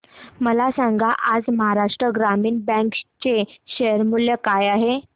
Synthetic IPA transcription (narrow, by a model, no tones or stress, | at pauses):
məlasãŋɡaʔad͡zməɦaɾaʂʈɾəɡɾamiːnbɛ̃kt͡ɕeɕejəɾmuljəkajaɦe